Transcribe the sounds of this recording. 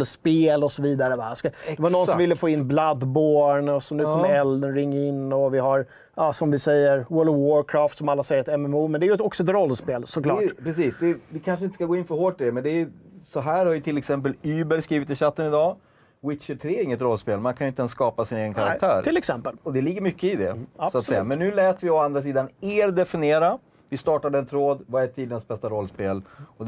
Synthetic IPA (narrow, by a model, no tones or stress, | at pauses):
speːlɔsɔviːd̪aɾəvaskaɛvanɔnːsɔmvɪlːəfoːɪnːblad̪boːɳɔsɔnʉːkʰɔmːəɛld̪ənɾɪŋːaɪnːɔvɪɦaɾ | ɑːsɔmvɪsɛjːəɾwœɭwɔɾkʰɾɑːft̪sɔmalːasɛjːəɾɛt̪ɛmɛmuːmɛnd̪ɛæjɵɛt̪ɔksɔɛt̪ɾɔlːspeːlsɔklɑ̰ːpɾɛsiːsd̪ɛvɪkʰanʂəɪnt̪ə̥skaɡoːɪnfœɾhoːʈːɪd̪ɛmɛnd̪ɛːjsɔɦæːɾhaɾjɵt̪ʰɪlːɛksɛmp̬əlyːbɛɾskɾiːvɪt̪ɪɕat̪ːənɪd̪ɑː | wɪt̪ɕəʈʰɾeːɪŋːət̪ɾɔlspeːlmankʰanjʏɪt̪əɛnskɑːpasɪneːɡənkʰaɾakt̪ʰæ̰ːɾt̪ʰɪlɛksɛmpəlɔd̪ɛlɪɡːəɾmʏkːəɪd̪ɛ̰asɔat̪sɛːamɛnːʉ̟ːlɛːt̪vɪɔand̪ɾas̬iːd̪aneːɾd̪ɛfɪneːɾa | vɪst̪ɑːʈaɖɛnt̪ʰɾoːd̪vaɛt̪ʰːiːd̪ɪənsbɛst̪aɾɔlːspeːlɔ